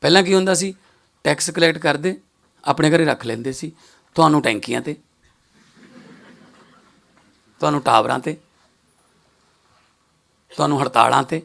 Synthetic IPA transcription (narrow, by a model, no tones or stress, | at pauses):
pɛːlãːk̬iɦʊ̃ːnd̪aːs̬iː | ʈɛːkskəlɛːʈkəɾd̪eː | a̰ːpɳeːkəɾeːɾəkʰlẽːnd̪eːsiː | t̪ʊaːnũːʈɛ̃ːŋkɪjã̰ːt̪eː | t̪ʊɦãːnũːʈa̰ːbɾã̰ːt̪eː | t̪ʊaːnũːɦəɽt̪a̰ːlã̰ːt̪eː